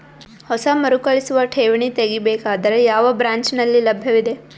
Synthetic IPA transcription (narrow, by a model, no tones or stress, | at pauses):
hɔsɐmɐɾukɐɭisuʋɐʈʰeːʋiɳit̪eɡibeːkaːd̪ɐɾe̞jaːʋɐbɾaːɲt͡ʃnɐlːilɐbʱjɐʋid̪e̞